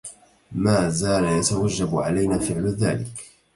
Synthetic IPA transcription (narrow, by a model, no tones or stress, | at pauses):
maːzaːlajat̪awad͡ʒːabʕalajnaːfɪʕlða̰ːlɪk